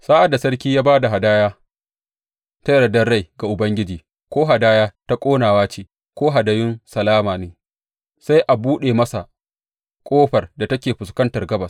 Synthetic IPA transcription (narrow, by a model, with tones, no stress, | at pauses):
saː˦ʔa˨da˨sɐ˦ɽkʲiː˦jaː˦baː˦da˨ɦa˨daː˦jaː˦ | ta˦jɐ˦ɽɐ˨dɐ˦rɽa˦˨jɡa˨ʔʊ˨bɐ˦ŋɡʲɪ˦d͡ʒiː˨ | kʷoː˦ɦa˨daː˦jaː˦ta˦kʷʼoː˦naː˨waː˦t͡ʃeː˨ | kʷoː˦ɦa˨dɐ˨jʊ˦nsɐ˨laː˦maː˨neː˨ | sa˦jʔa˨buː˦ɗeː˨mɐ˦sa˨ | kʷʼoː˦ɸɐ˨rda˨tɐ˦kʲeː˨ɸʊ˨skɐ˦ntɐ˨rɡɐ˦bɐ˨s